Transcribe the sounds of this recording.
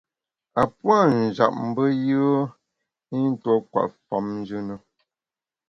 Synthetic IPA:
a˨pwa˦˨n̩˨d͡ʒa̰˨p̚m̩˦bə˦jə˦ | i˦n̩˦tɔ˦kwa̰˨ʔfa̰˨˦mn˦d͡ʒɨ˦nə˨

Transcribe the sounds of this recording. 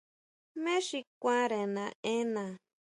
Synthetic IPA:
mẽ˦ʃi˧kʷã˦ɾẽ˨nã˨ẽ˦nã˨

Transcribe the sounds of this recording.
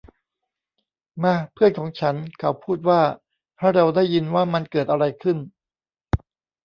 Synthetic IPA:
ma˥˩pʰɯ˥˩ənkʰɔː˩˦ŋt͡ɕʰa˦˥nkʰa˩˦˥wpʰuː˥˩t̪̚waː˥˩ | ha˥˩ɾa˧wdaː˥˩jːi˧nwaː˥˩ma˧nkɤː˨˩t̪̚ʔa˧ɾa˧jkʰɯ˥˩n

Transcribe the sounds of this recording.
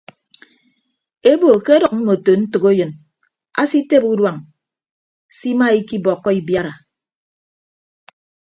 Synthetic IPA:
e˦bo˨ke˦dʌ˨k̚m̩˦mo˨to˨n̩˦tu˨ko˦jɨ˨n | a̰˦si˦te˦pu˦dwa˨ŋ | si˦ma˦i˦ki˦bɔ˨kːɔ˦i˦bja˦ɾa˨

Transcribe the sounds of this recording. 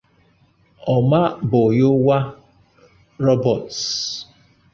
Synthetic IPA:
ɔ˨ma˦bʊ˨jʊ˦wa˦ | ɾɔ˦bɔ˨ts

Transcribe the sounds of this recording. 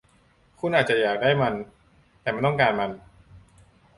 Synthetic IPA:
kʰu˧˥nʔaː˨˩t̪̚t͡ɕa˨˩jaː˨˩k̚daː˥˩jma˧n | t̪ɛː˨˩ma˥˩t̪ɔ˥˩ŋkaː˧nma˧n

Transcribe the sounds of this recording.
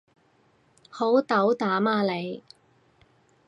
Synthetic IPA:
ho˨˥wt̪ɐ˨˥wt̪aː˨˥maː˧le˨˧j

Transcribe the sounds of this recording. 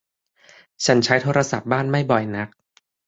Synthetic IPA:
t͡ɕʰa˦˥nt͡ɕʰa˦˥jt̪ʰoː˧˥ɾa˧sa˨˩p̚baː˥˩nma˥˩jbɔ˨˩jna˦˥k̚

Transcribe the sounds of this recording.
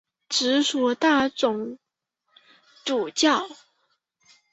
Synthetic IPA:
ʈ͡ʂɻ̩˧˥swɔ˨˩t̪a˥˩ʈ͡ʂʊ˨˧˩ŋ | ʈ͡ʂu˨˩t͡ɕjɑ˥˩ʊ

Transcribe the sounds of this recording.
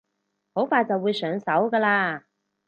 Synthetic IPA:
ho˨˥wfaː˧jt͡sɐ˨wːuː˨˧jsœː˨˧ŋsɐ˨˥wkəː˧laː˧

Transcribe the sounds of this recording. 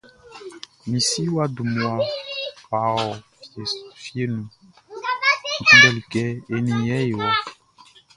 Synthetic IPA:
mĩ˨si˦wa˦du˨mu˨a˦pa˨ɔ˨ | fje˦nũ˨ | tũ˦dɛ˦li˨kɛ˦e˨nĩ˨jɛ˦e˨wa˨

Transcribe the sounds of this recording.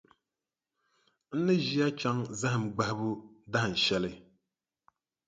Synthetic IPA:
n̩˦nɨ˦ʒi˦a˦t͡ʃa˦ŋza˦hɨ˨m˨ɡ͡ba˦hɪ˦bu˦da˦hɨ˨n̩˨ʃɛ˦lɨ˦

